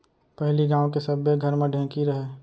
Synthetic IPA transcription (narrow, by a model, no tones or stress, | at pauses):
pɛɦliɡãːw̃kesɐbeɡʱɐɾmẽɖʱẽːkiɾɐɦeː